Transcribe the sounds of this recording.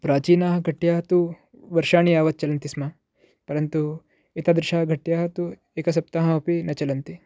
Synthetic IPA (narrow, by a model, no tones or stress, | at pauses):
pɾaːt͡ʃiːnaːɦɐɡʱɐʈjaːɦɐt̪u | ʋɐɾʃaːɳijaːʋɐt̪̚t͡ʃɐlɐnt̪isma | pɐɾɐnt̪u | it̪ɐd̪ɾɪʃaːɦɐɡʱɐʈjaːɦɐt̪u | eːkɐs̬ɐp̚t̪aːɦɐɐpinɐt͡ʃɐlɐnt̪i